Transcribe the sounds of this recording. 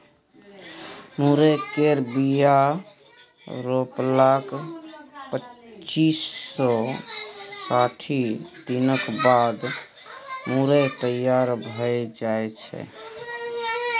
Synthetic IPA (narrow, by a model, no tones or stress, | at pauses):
muɾekeɾbija | ɾoplak | pət͡ʃisːɔ | saʈʰid̪̥inəkbad̪ | muɾet̪əjaɾbʱəjd͡ʒaet͡ʃʰɛ̰